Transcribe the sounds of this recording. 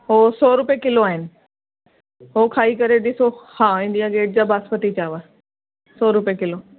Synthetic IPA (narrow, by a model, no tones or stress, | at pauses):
ɦosɔːɾʊpjekɪloaːɦɪnɪ̆ | ɦoːkʰaːikɐɾeɗɪsohãːɪ̃ndijaɡeːʈ̚d͡ʑaːbaːspət̪it͡ɕaːʋa | sɔːɾʊpijekɪlo